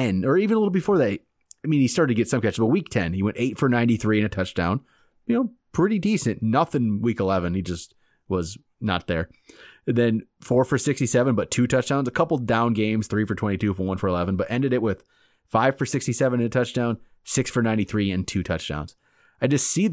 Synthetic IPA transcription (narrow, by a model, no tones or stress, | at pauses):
ɛ̃nə˞ivɨ̃nəlɪɾl̩ˠbɨfɔɹðæ | aɪmĩnistɑɹɾɨtʰɨɡɛtsʌ̃mkʰɛt͡ʃʌvəwik̚tʰɛ̃niwɛ̃nteɪtfə˞nãɪ̃niθɹiɨ̃ñɨtʰʌt͡ʃd̥ãʊ̃n | jɨnoʊpʰɹ̥ɪɾidisɨ̃nnʌθɪ̃nwikəlɛvɨ̃nid͡ʒʌst̚ | wʌz | nə̰t̪̚ðə˞ðɨ̃nfɔɹfə˞sɪkstisɛvɨ̃nbʌtʰʉtʰʌt͡ʃd̥ãʊnzɨkʰʌpl̩ˠdãʊ̃nɡẽɪ̃mz̥θɹifə˞tʰw̥ɛ̃itʰʉfə˞wʌ̃nfə˞əlɛvə̃n̩bʌɾʔɛ̃ndɨɾɨʔ̚wɪð̥ | faɪv̥fə˞sɪkstisɛvɨ̃nɨ̃nɨtʰʌt͡ʃd̥ãʊ̃n | sɪksfə˞nãɪ̃ntiθɹiɨ̃ntʰʉtʰʌt͡ʃd̥ã̰ʊ̃nz̥ | aɪd͡ʒʌstsi